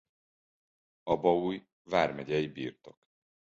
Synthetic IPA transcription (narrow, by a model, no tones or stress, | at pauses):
ɒbɒuj | vaːrmɛɟɛjibḭːrt̪o̞k